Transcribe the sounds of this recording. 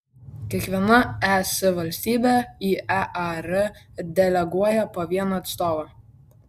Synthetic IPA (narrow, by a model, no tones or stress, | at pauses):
kʲiɛkʋʲiɛnɐæsʲɪʋɐlʲsʲt̪ʲiːbʲɛiːʔɛʔɐɾɛd̪ʲɛlʲɛɡuɔjɛpoːʋʲiɛnɐɐt̪st̪oːʋɐ